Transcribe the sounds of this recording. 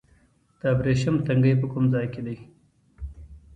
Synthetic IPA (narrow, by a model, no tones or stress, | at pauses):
d̪̥əːbɾeʃamt̪aŋɡəjpəkʊmzɑjked̪aj